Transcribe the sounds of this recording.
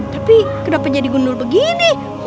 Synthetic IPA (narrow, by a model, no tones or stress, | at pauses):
t̪apikədapat̪̚d͡ʒadiɡundʊrbəɡini